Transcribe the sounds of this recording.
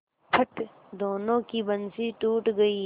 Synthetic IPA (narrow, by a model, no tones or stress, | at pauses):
pʰɐʈ | d̪oːnõːkibɐnsiʈuːʈɡɐi